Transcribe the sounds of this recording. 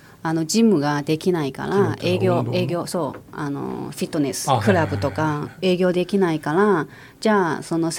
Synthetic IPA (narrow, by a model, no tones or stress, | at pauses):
ano̞d͡ʑimːɯ̟ɡad̪e̞kʲinaika̰ɾae̞ːɡʲo̞ːe̞ːɡʲo̞ːso̞ːa̰no̰ɸʲit̪ːo̞nesɨ̥kɯ̟ɾabɯ̟t̪o̞kae̞ːɡʲo̞ːd̪e̞kʲinaikaɾa | d͡ʑaːso̞no̞s